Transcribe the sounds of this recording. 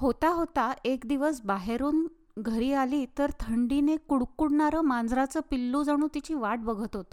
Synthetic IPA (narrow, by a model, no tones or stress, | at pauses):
hot̪aɦot̪aekd̪iʋəsbaɦeɾuːn | ɡʱəɾiːaliːt̪əɾt̪ʰəɳɖinekuɽkuɽɳaɾəːmand͡zɾat͡səpilːud͡zaɽ̃uːt̪it͡ɕiːʋaʈ̚bəɡʱət̪ɦot̪o̥